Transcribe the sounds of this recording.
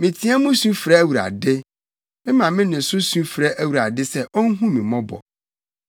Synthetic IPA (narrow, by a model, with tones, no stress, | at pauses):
mɪ̃˨tʰĩ˦a˦mʊ̃˦sũ˦fɾa˦æ˦˨wu˨ɾa̰˨dɪ˦ | mɪ̃˦mã˨mɪ̃˦nɪ̃˨n̩˨sʊ˦sũ˦fɾʔæ˦wu˨ɾa˨dɪ˦sɛ˦ʔɔ˦n̩˦ɦũ˦mĩ˨mɔ̃˦bɔ̰˨